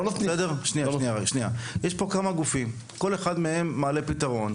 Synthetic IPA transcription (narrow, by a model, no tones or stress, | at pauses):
lot̪nisedeʁʃniaʃniaajʃniajeʃpo̞kamaɡufim | ko̞le̞χadmee̞mːaːle̞pit̪aʁo̞n